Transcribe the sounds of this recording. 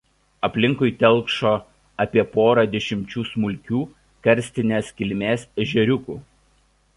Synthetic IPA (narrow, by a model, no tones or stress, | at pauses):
ɐpʲlʲɪŋkʊɪt̪ʲɛlˠˑkʃoː | ɐpʲiɛpoːɾɐd̪ʲɛʃʲɪmʲt͡ʃʲuːsmʊlʲˑkʲuː | kɐɾʲsʲt̪ʲɪnʲeːskʲɪlʲmʲeːsɛʒʲɛɾʲʊkuː